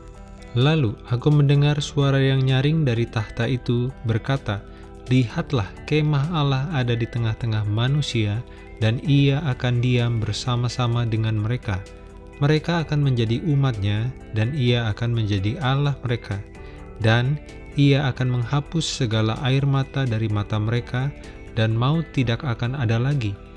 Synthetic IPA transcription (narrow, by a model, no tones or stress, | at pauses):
laluakuməndəŋarsuaɾajaŋɲaɾɪŋdaɾit̪aht̪aʔit̪ubərkat̪a | lihat̪lahkemaɦalahadadit̪əŋaht̪əŋahmanusia | daniaʔakandiambərsamasamadəŋanməɾeka | məɾekaːkanməɲd͡ʒadiʔumat̪̚ɲa | daniaːkanməɲd͡ʒadiʔalahməɾekʰa | dan | iaakanməŋhapʊsːəɡalaʔairmat̪adaɾimat̪aməɾeka | danmaut̪ːidakakanadalaɡi